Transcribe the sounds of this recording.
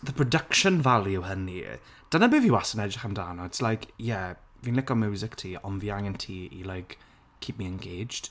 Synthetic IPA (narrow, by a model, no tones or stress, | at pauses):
ðəpʰɹ̥ɔdəkʃə̃nvalˠjʊhənḭ | d̥ənəbɪvjəwasənɛd͡ʒɪχəmdanɔɪtslajkjɛ | viːnlɪkɔmjuːzɪktʰiːɔnviaŋəntʰiːḭlɔjɡ̥ | kʰiːp̚miɛnɡejd͡ʒd̥